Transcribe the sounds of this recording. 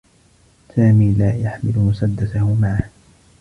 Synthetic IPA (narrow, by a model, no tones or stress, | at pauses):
saːmiːlaːjaħmɪlʊmʊsad̪ːaθahʊmaʕah